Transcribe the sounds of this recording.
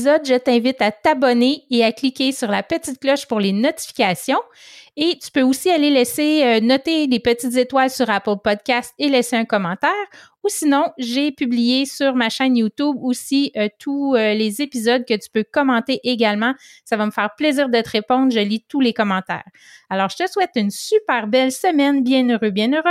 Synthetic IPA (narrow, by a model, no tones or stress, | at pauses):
zɔd̪ʒət̪ɛ̃vɪt̪at̪abɔneeaklikʲesyʁlapət͡sit̪̚klɔʃpʊʁlenɔt̪i̥fi̥kʲasjɔ̃ | et̪y̥pøusialelɛseønɔt̪elepətt͡sit̪zet̪walsyʁapəlpɔd̪̚kʲast̪elɛseœ̃kɔmɑ̃ːt̪ɛːʁ | usinɔ̃ʒepyblijesyʁmaʃɛnjut̪ubosiøt̪ʰuølezepizɔd̪̚kʲət̪y̥pøkɔmɑ̃t̪eʔeɡʲalmɑ̃savaməfɛːʁpleziːʁd̪ət̪əʁepɔ̃nd̪ʁʒəlit̪ulekɔmɑ̃t̪ɛ̰ːʁ | alɔːʁʒət̪əswɛt̪ynsypɛːʁbɛlsəmɛnbjɛ̃nøʁøbjɛ̃nøʁø